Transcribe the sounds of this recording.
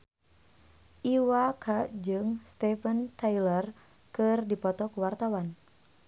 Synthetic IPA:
ʔiwakʰad͡ʒɨŋst̪ɛfənt̪ajlər | kɨrdipɔt̪ɔkuwart̪awan

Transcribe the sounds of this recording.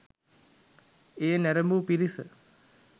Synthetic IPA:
eːnæɾəmbupiɾisə

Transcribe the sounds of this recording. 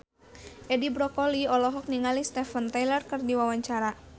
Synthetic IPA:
ʔɛdibɾɔkɔliɔlɔɦɔk̚niŋalist̪ɛfənt̪ajlərkɨrdiwawaɲt͡ʃaɾa

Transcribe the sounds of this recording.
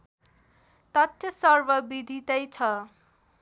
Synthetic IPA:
t̪ʌt̪jʌsʌrbʌbid̪ʱit̪ʌjt͡sʰʌ

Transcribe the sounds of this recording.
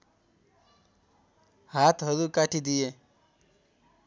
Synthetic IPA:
hat̪ɦʌɾukaʈʰid̪ije

